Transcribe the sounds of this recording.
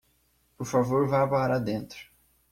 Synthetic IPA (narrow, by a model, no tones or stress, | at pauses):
poɾfavoɾvapaɾad̪ẽnt̪ɾʊ̥